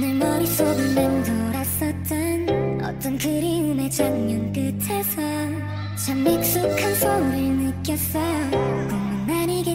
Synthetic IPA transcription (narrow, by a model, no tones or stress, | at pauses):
nɯɭmʌɾis͈obɯmʌntʰʌɾas͈ʌt̚t͡ɕ͈ʌnʌ̰t͈ʌnkɯɾiumet͡ɕaŋɲʌnk͈ɯtʰe̞sʰʌ | t͡ɕaŋmek̚s͈ukʰansʰʌuɾɯɭnɯk͈jʌs͈ʌjkʌŋʌnːaɲiɡe